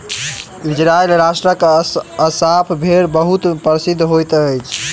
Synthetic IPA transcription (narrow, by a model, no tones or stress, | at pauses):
id͡ʒɾaelɾasʈɾəkəsapʰbʱeɾbəɦut̪pəɾsid̪ʱːɦojt̪əjt͡ʃʰ